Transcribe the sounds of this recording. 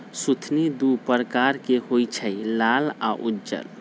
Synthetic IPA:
sut̪ʰnid̪upəɾkaɾkehojt͡ʃʰəjlala̰ʔudd͡ʒə̰l

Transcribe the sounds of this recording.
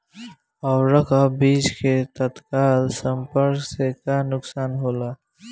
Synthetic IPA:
ɔːɾɐkʰabiːd͡ʒket̪ɐt̪kaːlsɐmpəɾɡsekaːnʊksaːnɦoːlaː

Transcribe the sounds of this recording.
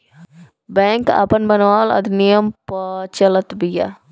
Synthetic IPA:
bɛ̃ːŋka̰pənbɐnʋaːlɐ̰d̪nijəmpət͡ʃɐlət̪bija̰

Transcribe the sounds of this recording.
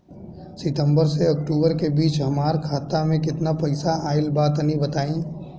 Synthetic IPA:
sɪʈə̃mbəɾseɐk̚ʈuːbəɾkebiːt͡ʃɦɐmaːɾkʰaːt̪amẽkɪt̪napɐɪsaaːɪlbaːt̪ənibɐt̪aːĩ

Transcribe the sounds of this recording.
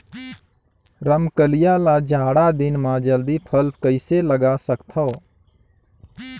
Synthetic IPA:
ɾəmkəlɪjaːlaːd͡ʒʱaːɽaːd̪ɪnmãːd͡ʒəld̪iːpʰəlp̚ʰkəɪseːləɡaːsəkt̪ʰoː

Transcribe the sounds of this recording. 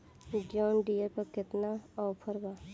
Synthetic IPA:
ɡjɔːnɖijepɐɾkɪt̪naɔːpʰəɾbaː

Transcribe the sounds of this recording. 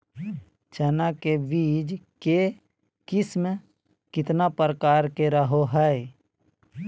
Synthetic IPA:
t͡ʃɛnakebiːd͡ʒke | kɪsm | kɪt̪napɾəkaːɾkeɾəɦoɦɛ

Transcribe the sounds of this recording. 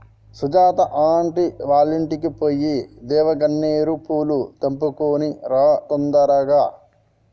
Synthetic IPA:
sud͡ʒaːt̪ɐʔaːɳʈiʋaːliɳʈikipoːjːid̪ɛːʋɐɡɐɳːeːɾupuːlut̪ɐmpukoːniɾat̪ond̪ɐɾɐɡaː

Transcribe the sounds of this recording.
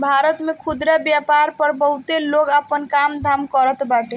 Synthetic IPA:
bʱaɾət̪mekʰud̪ɾabjapaɾpəɾbəɦut̪eloɡapənkamd̪ʱamkəɾət̪baʈe

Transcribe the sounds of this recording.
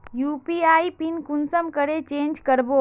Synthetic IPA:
juːpiaːipinkunsəmkəɾet͡ʃẽːnd͡ʒkəɾbo

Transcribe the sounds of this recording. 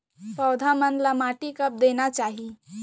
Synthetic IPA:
pəwd̪ʱamənlamaːʈikəp̚d̪enat͡ʃaːɦi

